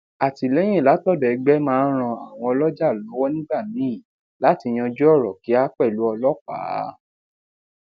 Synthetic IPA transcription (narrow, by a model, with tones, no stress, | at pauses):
a˨ti˨lɛ˦j̃ɛ̃˦˨la˨˦tɔ˦˨dɛ˨˧ɡ͡bɛ˦mãː˦ɾ̃ã˧a˨w̃ɔ̃˧ɔ˧lɔ˦d͡ʒa˦˨lɔ˨˦wɔ˦nĩ˦ɡ͡ba˦˨mĩ˨˦ĩ˦˨ | la˨˦ti˧j̃ã˧d͡ʒu˦ɔ˦˨ɾɔ˨ki˨˦a˦k͡pɛ˦˨lu˨˦ɔ˧lɔ˦k͡pa̰ː˨˦